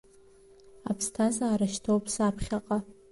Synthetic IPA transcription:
apʰstʰazaːɾaʃtʰowpʰsapʰχʲaqʼa

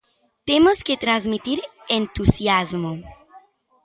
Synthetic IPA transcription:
t̪emosket̪ɾazmit̪iɾent̪usjazmo

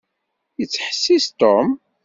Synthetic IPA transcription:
jət͡sːħə̥sːist̪om

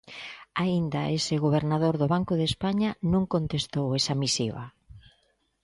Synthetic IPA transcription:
aind̪aesɪɣoβ̞eɾnaðoɾðʊβ̞aŋkʊðespaɲanõŋkont̪est̪owesamisiβa̰

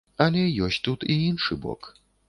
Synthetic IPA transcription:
ɐlʲɛjɔsʲt͡sʲt̪ut̪iinʂɨbɔ̰k

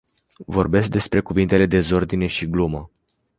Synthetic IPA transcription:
vo̞rbe̞sk̚d̪e̞spɾe̞kuvint̪e̞le̞d̪e̞zo̞rd̪ine̞ʃiɡlumə

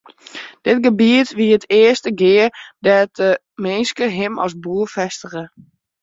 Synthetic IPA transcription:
d̥ɪt̚ɡəbiətʋiəətʰɪəstəɡɪərdɛt̚ə | mɪnskəɦɪmɔ̰sbuːəfɛstəɣə

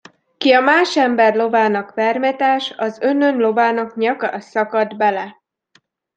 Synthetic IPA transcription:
kiɒmaːʃɛmbɛrlo̞vaːnɒkʋɛrmɛt̪aːʃɒzønønlo̞vaːnɒkɲɒkɒsɒkɒd̪bɛlɛ

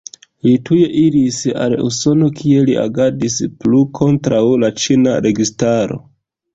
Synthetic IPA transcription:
lituje̞ʔiɾisa̰lṵso̞no̞kʰie̞liʔa̰ɡadisplukʰo̞ntɾawlat͡ʃinaɾe̞ɡistaɾo̞̰

